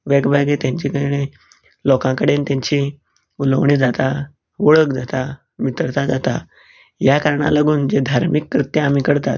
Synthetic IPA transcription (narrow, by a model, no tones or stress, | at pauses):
ʋɛɡbʱajɡet̪jãɲt͡ɕikəɽɽe | lɔkãkəɽent̪jãɲt͡ɕi | uləʋɳiːd͡zat̪a | ʋəɭəkd͡zat̪a | mit̪əɽt̪ad͡zat̪a̰ | jakaɾɳa̰laɡuːnd͡zed̪ʱaɾmikːɾit̪jəamikəɽt̪at̪